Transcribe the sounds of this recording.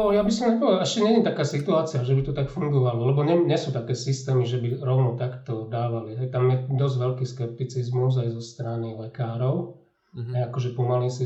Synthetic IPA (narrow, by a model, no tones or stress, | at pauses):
ɔjabisɔmɲɛpɔʋɛɛʃcɛɲɛɲɛt̪akaːsit̪uaːt͡siaʒɛbit̪ɔt̪akfuŋɡɔʋalɔlɛbɔɲɛɲɛsuːt̪akɛːsist̪ɛːmiʒɛbiɾɔʊnɔt̪akt̪ɔd̪aːʋalit̪ak̚t̪amjɛd̪ɔzʋɛlkiːskɛp̚t̪it͡sizmuzajzɔst̪ɾanilɛkaːɾɔʊ | ɛakɔʒɛpɔmalisi